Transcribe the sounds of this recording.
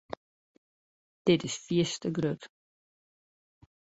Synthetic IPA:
d̥ɪtɪsfiəstəɡrøt

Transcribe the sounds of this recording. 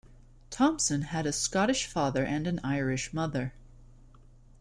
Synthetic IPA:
tʰɑ̃msɨ̃nɨɾɨskɑɾɨʃfɑðə˞ʔɨ̃nɨ̃naɪɹɪʃmʌðə˞

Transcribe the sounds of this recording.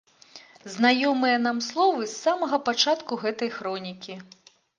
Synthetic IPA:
znajɔmɨjɐn̪amslˠɔvɨsːamɐɣɐpat͡ʂat̪kuɣɛt̪ɐjxɾɔnʲikʲi

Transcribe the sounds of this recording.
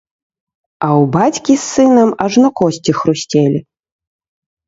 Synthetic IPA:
ɐwbat͡sʲkʲisːɨnɐmɐʐnɔkɔsʲt͡sʲixɾusʲt͡sʲelʲi

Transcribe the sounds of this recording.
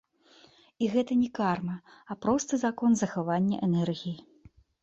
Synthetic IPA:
iɣɛt̪ɐnʲɛkarmɐɐpɾɔst̪ɨzakɔnzɐxavanʲːɐ̰ʔɛnɛrɣʲiji

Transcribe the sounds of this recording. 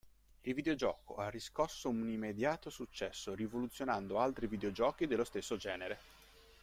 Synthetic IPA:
ilvid̪eod͡ʒɔːko̰arːiskɔsːounimːed̪jaːt̪osut͡ʃːɛsːorivolut̪sːjonand̪oalt̪ɾivid̪eod͡ʒɔːkid̪elːost̪esːod͡ʒɛːneɾe

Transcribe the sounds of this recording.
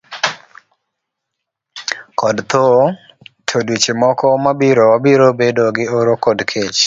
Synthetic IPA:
kɔdt̪o | tʰodwit͡ʃemɔkɔmabiɾowabiɾobedoɡɪoɾokodkʰet͡ʃ

